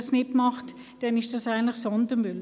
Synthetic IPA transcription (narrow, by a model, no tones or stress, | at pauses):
snɪtmɑχt | d̥ɛnɪʃd̥ɑsaɪɡən̩tləxsɔndəmʏl